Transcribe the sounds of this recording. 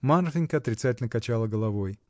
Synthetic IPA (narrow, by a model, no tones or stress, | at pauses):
manɾfʲɪnʲkəɐt̪ɾʲɪt̪satʲɪlʲnəkɐt͡ɕalˠəɡəlˠɐvoj